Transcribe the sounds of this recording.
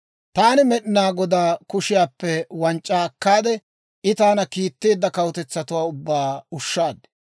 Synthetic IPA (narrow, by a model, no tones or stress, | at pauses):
t̪aːnɪmɛɗɪnaːɡɔd̪aːkʊʃɪjaːpːɛwɐnt͡ʃʼːaːɐkːaːd̪ɛ | ʔɪt̪aːnɐkiːt̪ːeːd̪ːɐkɐwɔt̪ɛt͡sːɐt̪ʊwaːʊbːaːʊʃːaːd̪ɛ̥